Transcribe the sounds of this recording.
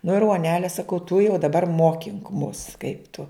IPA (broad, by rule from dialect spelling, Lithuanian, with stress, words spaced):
nʊ ɪr uɔˈnʲæːlʲɛ sɐˈkɐʊ tʊ jɛʊ dɐˈbɐr ˈmoːkʲɪŋk mʊs kɐɪp tʊ